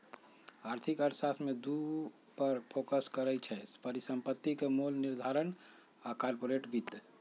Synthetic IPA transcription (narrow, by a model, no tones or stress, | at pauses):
aɾt̪ʰikəɾsasmed̪u | pəɾpʰokəskəɾɛt͡ʃʰɛspəɾisəmpət̪ːikemolniɾd̪ʱaɾən | akaɾpoɾeʈbit̪ː